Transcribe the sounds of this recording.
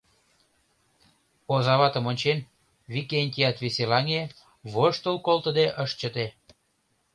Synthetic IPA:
ozɑβɑt̪əmonʲt͡ɕen | βikenʲt̪ʲijɑt̪βeselɑŋe | βoʃt̪əlkolˠt̪əd̪eʔəʃt͡ɕət̪e

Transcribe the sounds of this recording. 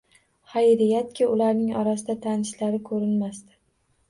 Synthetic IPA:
hajɾɪjat̪̚kʲʰɪʊlaɾnɪŋɒɾasɪd̪at̪ʰanɪʃlaɾɪkʰɵɾɪnmast̪ɪ̥

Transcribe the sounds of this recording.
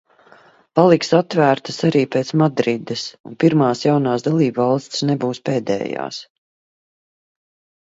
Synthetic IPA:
palˠiksat̪væːɾt̪asaɾiːpeːt̪smad̪ɾid̪ɛsunpiɾmaːsjawnaːsd̪alˠiːbvɑlˠst̪ʲsnɛbuːspeːd̪ɛ̰ːja̰ːs

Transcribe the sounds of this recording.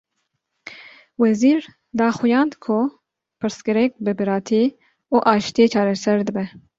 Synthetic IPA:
wɛziːɾ | d̪ɑːxujɑːnd̪kʰʊ | pʰɨɾskɨɾɛk̚bɨbɨɾɑːt̪ʰi | uːʔɑːʃt̪iet͡ʃʰɑːɾɛsɛɾd̪ɨbɛ

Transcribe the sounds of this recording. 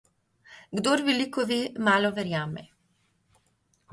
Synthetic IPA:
ɡd̪oːɾʋɛlikɔʋeːmaːlɔʋɛɾjaːmɛ̰

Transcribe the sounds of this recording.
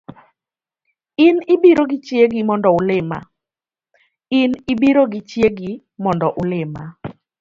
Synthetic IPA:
ɪnɪbiɾoɡɪt͡ʃjeɡɪmɔndɔʊlɪma̰ | ɪnɪbiɾoɡɪt͡ʃjeɡɪ | mɔndɔʔʊlɪma

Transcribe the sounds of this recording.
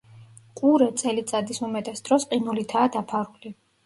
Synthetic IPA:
qʼuɾɛt̪sʼɛlit̪sʼad̪isumɛt̪ʼɛsd̪ɾɔsqʼinulit̪ʰaːd̪apʰaɾuli

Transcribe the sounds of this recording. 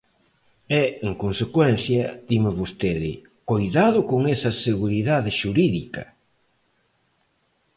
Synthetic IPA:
ɛeŋkonsekwɛn̟θjɐd̪imɪβost̪eðɪ̰ | kojðaðʊkoŋesɐseɣuɾiðaðɪʃuɾiðikɐ̰

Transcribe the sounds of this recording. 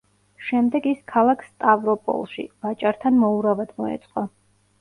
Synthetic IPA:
ʃɛmd̪ɛɡiskʰalˠakʰsst̪ʼavɾɔpʼɔ̰lˠʃḭvat͡ʃʼaɾt̪ʰanmɔuɾavad̪̥mɔɛ̰t̪sʼqʼɔ

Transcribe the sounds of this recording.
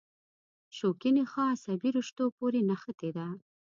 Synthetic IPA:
ʃokɪnexɑsabiɾʊʃt̪opoɾenaxət̪ed̪a

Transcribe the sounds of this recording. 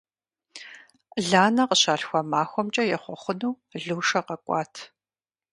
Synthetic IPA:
ɮaːnɐqəɕaːɬxʷɐmaːxʷɔmt͡ʃʼɐjɛχʷɔχʷʊnuː | ɮuːʂɐqɐkʷʼɑːtʰ

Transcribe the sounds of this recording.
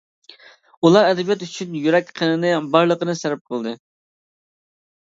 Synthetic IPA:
ulˠɑɾɛd̪ɛbjɑt̪yt͡ʃʰynjyɾɛkʲqʰənɨnɨbɑɾlˠəqənɨsæɾɛp̚qʰəlˠd̪ɨ

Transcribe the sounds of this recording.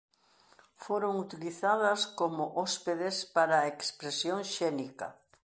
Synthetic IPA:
foɾoŋut̪iliθaðɐskomʊʔɔspeðespaɾaekspɾesjoŋʃɛnikɐ̰

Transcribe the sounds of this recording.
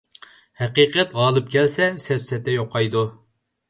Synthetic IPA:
hɛqiqɛt̪ʁɑːlˠɨp̚kʲʰɛlsɛsɛpsɛt̪ʰːɛjoqʰːɑjd̪u

